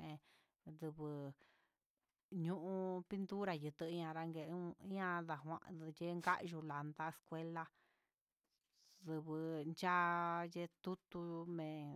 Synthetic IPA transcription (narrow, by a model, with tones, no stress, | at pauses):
ʔẽ˧ | ðɨ˧βɨ˨ | ɲũ˦ʔũ˧pi˦nt̪u˦ɾa˧jɨ˨˧t̪ɨ˧˦ɲã˧ɾa˧ŋɡe˧˨˦ɲã˧ða˨ɦʷã̰˧ʔje˦ŋɡa̰˦ʔʒu˧la˨nd̪a˦e˧skʷe˦la˧ | ðɨ˧βɨ˧nt͡ʃa˦je˦˧t̪u˦t̪u˧mẽ˨